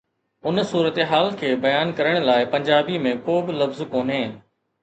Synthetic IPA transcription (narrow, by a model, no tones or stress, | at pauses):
ʊnsuːɾət̪eɦaːlkʰeːbɐjaːnkɐɾəɽ̃laːɪpɐ̃ɲd͡ʑaːbimẽkoːbɪlɐfzkoːnɦẽː